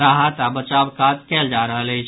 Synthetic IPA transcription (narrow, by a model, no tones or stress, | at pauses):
ɾaɦət̪abət͡ʃabkat̪keld͡ʒaɾəɦələɦit͡ʃʰ